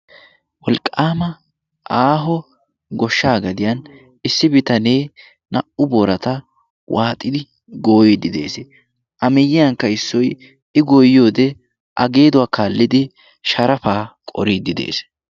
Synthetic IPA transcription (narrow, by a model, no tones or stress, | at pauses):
wɔlkʼːaːmɐ | ʔaːɦɔ | ɡɔʃːaːɡɐd̪ɪjɐn | ɪsːɪbɪt̪ɐneː | nɐʔʊboːɾɐt̪ɐ | wʔaːt̪ʼːɪd̪ɪ | ɡo̞ːjed̪ɪd̪e̞̰ːsɛ | ʔɐmɛjːɪjɐŋkːɐɪsːɔj | ɪɡɔjo̞ːd̪ɛ | ʔɐɡe̞ːd̪ʊwaːkaːlːɪd̪ɪ | ʃɐɾɐfaːkʼɔ̰ɾiːd̪ɪd̪ḛːs